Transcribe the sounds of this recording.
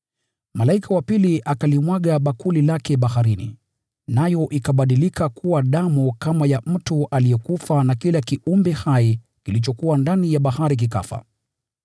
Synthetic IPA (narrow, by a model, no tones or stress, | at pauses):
malaikawapiliʔakalimwaɠaɓakulilakɛɓahaɾinḭ | najɔʔikaɓaɗilikakʰuwaɗamukamajam̩tuʔalijɛkufanakilakiʔumbɛhai | kilit͡ʃɔkuwandanijaɓahaɾik̬ika̰fa̰